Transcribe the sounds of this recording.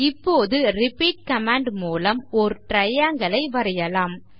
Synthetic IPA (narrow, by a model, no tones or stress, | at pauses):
ɪpːoːðɯɾɪpiːʈ̚kɐmaːɳɖmuːlɐmɔɾɯʈɾɐjaːŋɡɐɭɐɪʋɐɾɐjɐlaːm